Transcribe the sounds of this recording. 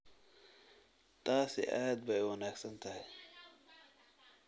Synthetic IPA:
t̪ʰaːsɪ̰ʔaːd̪̚bɛjwɐnaːɡsɐnt̪ʰɐhɪj

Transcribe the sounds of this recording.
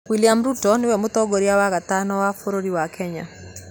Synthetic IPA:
wiljamɾutɔnɪwɛmʊt̪ɔɡoɾiawakat̪anɔwafoɾoɾiwakʰɛɲa̰

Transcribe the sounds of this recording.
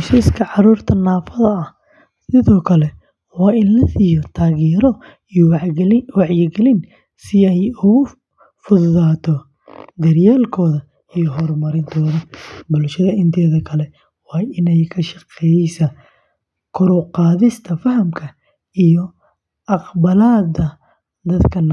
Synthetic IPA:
ʃiskʰɐʕɑɾuːrt̪ʰɐnaːfɐðɐɐh | sɪðɔːkʰɐlɛ | wɑːɪnlɐsijɔt̪ʰaːɣɛːɾɔ | wɑʕjɪɡɛlɪn | sɪɛjʊɣʊ | fʊððaːt̪ʰɔ | d̪ɐrjaːlkʰɔːðɐ | ijɔɦɔrmɐɾɪnt̪ʰɔːðɐbʊlʃɐðɐɪnt̪ʰɛːðɐkʰɐlɛ | wɑːɪnɛjkʰɐʃɐqɛjsɐ | kʰʊɾɔqɑːðɪst̪ʰɐfɐhɐmkʰɐ | ijɔ | ʔɑqbɐlaːd̪ɐ | d̪ɐd̪kʰɐn

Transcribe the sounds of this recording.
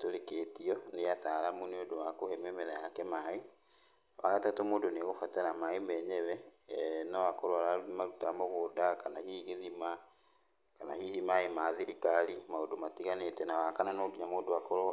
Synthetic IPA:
toɾeketiɔneataɾamuneodowakohɛmemɛɾajakɛmae | wa̰ɣatatomoːdoneɣofatɛɾamaemɛɲɛwɛnɔwakoɾoaɾamaɾutamoɣoːdakanahiɣeðima | kanahihimaemaðiɾikaɾimaodomatiɣanetɛnawakananoːdiɲamoːdowakoɾ

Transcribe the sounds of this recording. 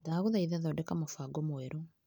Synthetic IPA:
daɣoðaiðaðɔdɛkamofaɡɔmwɛɾɔ

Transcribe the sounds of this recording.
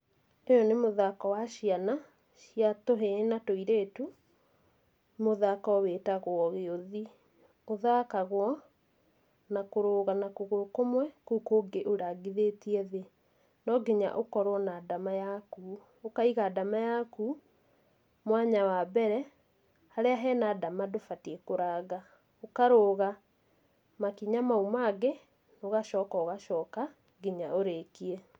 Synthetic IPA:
ejɔnemoðakɔwaɕiana | ʃjatoɦenatoiɾeːtu | moðakɔowetaɣoɔɣeoði | oðakaɣwɔ | nakoɾoːɣanakoɣokomwɛkukoɡeʔoɾaɡiðetiɛðe | nɔɡiɲa̰ʔokɔɾwɔnaːdamajaku | okaiɣaːdamajaku | mwaɲawabɛɾɛ | haɾeaɦɛːnaːdamadofatiɛkoɾaːɣa | okaɾoːɣa | makiɲamaumaɡe | noɣaʃɔːkaoɣaʃɔːka | ɡiɲaoɾekiɛ

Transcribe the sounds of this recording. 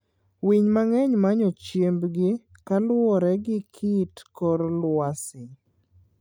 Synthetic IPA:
wiɲmaŋɛɲmaɲɔt͡ʃjembɡɪkalwɔɾɛɡɪkʰitkɔɾlwasɪ

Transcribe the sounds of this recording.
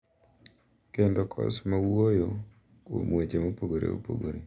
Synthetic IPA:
kendokʰɔ̰smawojo | ko̰mwet͡ʃemopoɡoɾḛo̰po̰ɡo̰ɾe

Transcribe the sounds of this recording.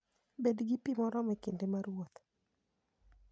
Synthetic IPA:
bedɡɪpimɔɾɔmɛkendemaɾwot̪

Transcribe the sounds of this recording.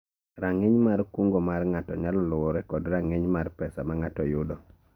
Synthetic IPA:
ɾaŋeɲmarkuŋɡomarŋatɔ̰ɲalɔlɔwɔɾɛkɔdɾaŋeɲmarpɛsamaŋatɔjʊdɔ

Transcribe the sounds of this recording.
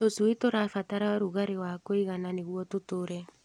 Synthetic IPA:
osuitoɾafataɾaɾuɣaɾewakoiɣananeɣwɔtotoɾɛ

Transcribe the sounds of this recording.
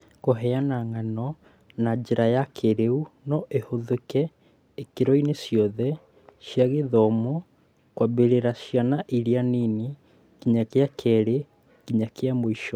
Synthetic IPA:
koɦɛanaŋanɔ | nad͡ʒeɾajakʰeɾeunɔʔehoðekɛ | ekeɾɔinesjɔðɛ | ʃjaɣeðɔmɔ | kwabeɾeɾaʃianaʔiɾianini | kiɲakeakʰɛɾe | kiɲakeamoiʃɔ

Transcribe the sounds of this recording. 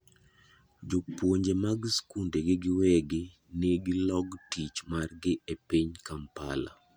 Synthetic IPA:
d͡ʒopwoɲd͡ʒemaɡskundeɡɪɡɪwɛɡɪ | neɡɪlɔɡtit͡ʃmarɡɪʔepiɲkampa̰la̰

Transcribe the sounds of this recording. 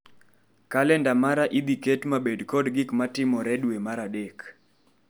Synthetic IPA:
kalɛndamaɾaʔid̪iketmabedkɔdɡɪkmatɪmɔɾɛdwemaɾadek

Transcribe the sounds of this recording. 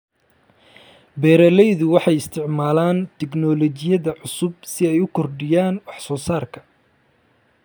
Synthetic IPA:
bɛːɾɛlɛjðʊwɑħɑjɪst̪ʰɪʕmaːlaːnt̪ʰɛɡnɔlɔt͡ʃɪjɐðɐʕʊsʊb̚sɪɛjʊkʰɔrɖɪjaːnwɑħsɔːsaːrkʰɐ̥

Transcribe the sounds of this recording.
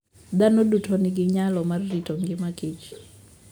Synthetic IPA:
d̪anɔɗutʰɔniɡɪɲalɔmarritɔŋɡɪmakʰet͡ʃi̥

